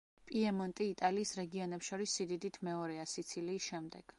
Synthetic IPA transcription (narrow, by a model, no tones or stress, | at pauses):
pʼiɛmɔnt̪ʼiːt̪ʼaliːsɾɛɡiɔnɛpsʃɔɾisːid̪id̪it̪ʰmɛɔɾɛasit̪sʰiliːʃɛmd̪ɛɡ̥